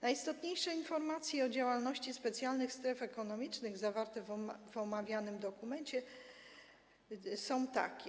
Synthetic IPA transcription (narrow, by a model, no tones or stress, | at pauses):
najist̪ɔt̪ɲejʂɛinfɔɾmat̪sʲjɛɔd͡ʑawalnɔɕt͡ɕispɛt̪sʲjalnɘxst̪ɾɛfɛkɔnɔmʲit͡ʂnɘɣzavaɾt̪ɛvvɔmavʲjanɘmd̪ɔkumɛɲt͡ɕɛ | sɔ̃w̃t̪a̰kʲ